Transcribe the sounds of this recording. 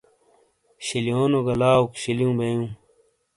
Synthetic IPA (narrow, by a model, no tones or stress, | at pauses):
ɕiljoːnoɡɐlaːukɕiljũːbejũː